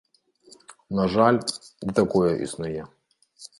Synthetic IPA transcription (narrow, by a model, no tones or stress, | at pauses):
nɐʒɑlʲit̪ɐkɔjɛʔḭsnʊjɛ